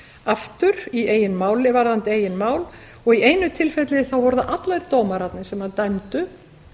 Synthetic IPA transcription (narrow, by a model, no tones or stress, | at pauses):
aft̪ʏɾieːjɪnmaːwlɪvaɾðant̪ɪeːjɪnmaːwl | ɔɣieːjnʏt̪ʰɪlfɛt̪lɪθawvɔɾðaʔat̪lajɾt̪oːwmaɾat̪nɪ̥sɛmhant̪ajmt̪ʏ